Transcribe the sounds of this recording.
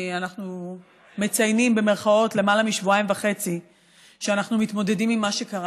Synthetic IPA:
anaχnu | me̞t͡sajnimbe̞me̞ʁχao̞tle̞malamiʃvuaimvaχe̞t͡si | ʃeanaχnumitmo̞de̞dimimːaʃe̞kaʁ

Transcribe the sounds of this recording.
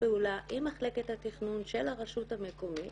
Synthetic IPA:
eulaʔimaχle̞ke̞thatiχnunʃe̞laʁaʃuthamekomi

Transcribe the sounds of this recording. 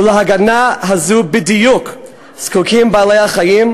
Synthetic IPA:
leɦaɡanaɦazubidijuk | skukʰimbaːlejhaχajim

